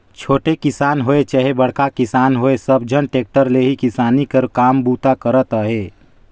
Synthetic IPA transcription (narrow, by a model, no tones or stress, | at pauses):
t͡ʃʰoːʈekɪsaːnɦoːet͡ʃəɦebəɽ̤kakɪsaːnɦoːesəb̚d͡ʒʱənʈeːk̚ʈəɾleɦikɪsaːnikəɾkaːmbuːt̪akəɾət̪əɦeː